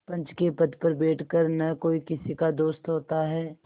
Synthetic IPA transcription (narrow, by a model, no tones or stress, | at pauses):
pɐ̃nt͡ʃkepɐd̪pɐɾbeːʈʰkəɾnɐkoːikɪsikad̪oːst̪ɦoːt̪aɦɛː